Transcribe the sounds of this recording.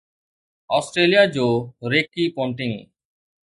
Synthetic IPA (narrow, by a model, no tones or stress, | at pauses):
ɔːsʈɾeːlijaːd͡ʒoːɾeːkːiːpõːɳʈɪ̃ŋ